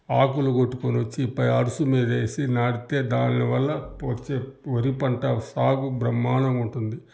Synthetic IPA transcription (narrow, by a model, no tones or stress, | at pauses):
aːkuluɡoʈːu̥koniʋɐt͡ʃːiːpːɐjɐɾusumiːd̪eːsinaːɽit̪e̞ːd̪aːnniʋɐlːɐʋɐt͡ʃːeːʋɐɾipɐɳʈɐsaːɡubɾɐmːaːnɐmuɳʈund̪i